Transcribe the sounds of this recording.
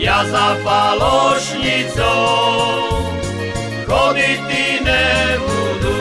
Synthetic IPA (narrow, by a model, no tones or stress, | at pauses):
jazafalɔʃɲit͡sɔw | kɔnit̪inɛbud̪u